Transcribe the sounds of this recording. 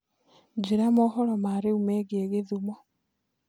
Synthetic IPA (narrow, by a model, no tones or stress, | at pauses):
d͡ʒeɾamɔɦɔɾɔmaɾeumɛːɣeːɣeðumɔ